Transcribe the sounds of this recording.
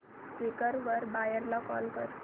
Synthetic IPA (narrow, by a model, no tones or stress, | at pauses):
kʋikəɾʋəɾbajəɾlɔkɔ̰lkəɾ